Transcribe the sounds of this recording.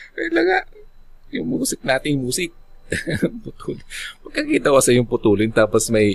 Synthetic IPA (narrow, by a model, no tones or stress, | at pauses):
kɐɐlɐɡa | jʊŋmuːsɪk̚naːt̪ɪjmuːsɪk̚ | pʊt̪uːlɪnmɐɡ̚kːɐkiːt̪ɐhoʔɐsɛjʊŋpʊt̪uːlɪnt̪aːposmɐj